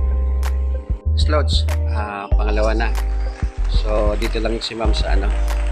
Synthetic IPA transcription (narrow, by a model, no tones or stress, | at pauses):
slosapɐŋɐlɐwana | sod̪iːt̪olaŋjsɪmamsɐʔɐ̰no